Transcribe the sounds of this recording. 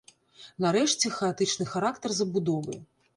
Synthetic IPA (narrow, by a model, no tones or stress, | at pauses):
nɐɾɛʂt͡sʲɛxɐat̪ɨt͡ʂnɨxaɾakt̪ɐrzɐbud̪ɔvɐ̰jɛ